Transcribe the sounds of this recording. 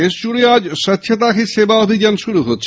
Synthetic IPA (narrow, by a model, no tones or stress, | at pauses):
eʃd͡ʑuɽead͡ʑʃət̪ːɕʰat̪̬akʰiʃebaobʱid͡ʑanʃuɾuɦotːɕʰ